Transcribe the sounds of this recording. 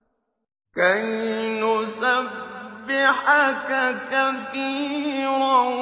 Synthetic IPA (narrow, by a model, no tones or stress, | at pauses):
kannʊsabːɪħakakaθiːɾa